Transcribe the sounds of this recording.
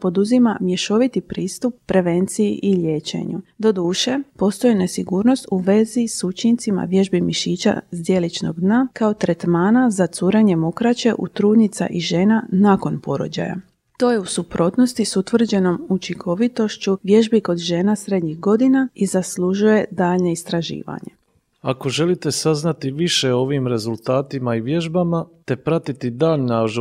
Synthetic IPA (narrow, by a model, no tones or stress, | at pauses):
po̞d̪uzimamje̞ʃo̞ʋit̪ipɾiːst̪upːɾe̞ʋe̞nt̪sijiʔiʎe̞ːt͡ɕe̞̰ɲud̪o̞d̪uːʃe̞po̞st̪o̞jine̞siɡuːɾno̞st̪uʋe̞zisut͡ʃint̪sima̰ʋje̞ʒbimiʃiːt͡ɕa̰zd̪je̞lit͡ʃno̞̰ɡd̪nakao̞t̪ɾet̪maːnazat̪suːɾeɲe̞mo̞kɾat͡ɕe̞ʔut̪ɾuːd̪nit̪sa̰ʔiʒeːnanako̞npo̞ɾo̰d͡ʑa̰ja̰ | t̪o̞ːje̞usupɾo̞ːt̪no̞st̪isut̪ʋr̩d͡ʑe̞no̞mut͡ʃiŋkʰo̞ʋit̪o̞ʃt͡ɕuʋje̞ʒbiko̞d̪ʒe̞ːnasɾe̞d̪ɲixɡo̞d̪inaizasluʒuje̞d̪aːʎɲe̞ist̪ɾaʒḭːʋa̰ɲe̞̰ | ako̞ʒe̞lit̪e̞saznat̪iʋiʃeo̞ʋiːmɾe̞zulˠt̪aːt̪imaiʋje̞ʒbamat̪e̞pɾat̪it̪id̪aːʎnaʒ